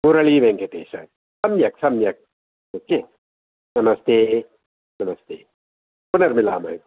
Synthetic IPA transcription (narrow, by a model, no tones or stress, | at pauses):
uɾɐɭiːʋẽŋket̪ḛːsɐ̰ɾ | sɐmjɐksɐmjɐk̚ | oːkeː | nɐmɐst̪ʰeː | nɐmɐst̪ʰḛː | punɐɾmila̰ːmɐ̰i